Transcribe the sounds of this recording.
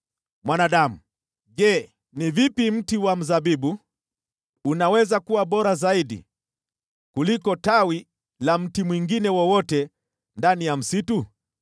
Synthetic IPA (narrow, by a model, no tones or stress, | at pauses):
mwanaɗamu | ʄɛ | nivipim̩tiwam̩zaɓiɓu | nawɛzakuwaɓɔɾazaiɗḭ | kulikɔtawi | lam̩timwiŋɡinɛwɔwɔtɛ | ndanijam̩situ